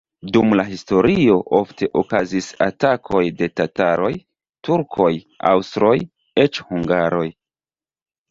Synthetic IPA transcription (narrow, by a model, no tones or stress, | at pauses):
dumlaɦisto̞ɾio̞ʔo̞ftʰe̞ʔokazisa̰takʰo̞jde̞tataɾo̞j | tuɾkʰo̞j | a̰wstɾo̞j | et͡ʃhuŋɡaɾo̞j